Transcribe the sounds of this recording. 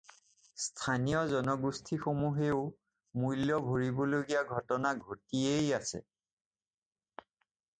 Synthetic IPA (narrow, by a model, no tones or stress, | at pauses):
stʰanijɔzɔnɔɡustʰixomuɦeʊ | mujljɔbʱoɹibɔloɡijaɡʱɔtɔnaɡʱotiejasɛ̰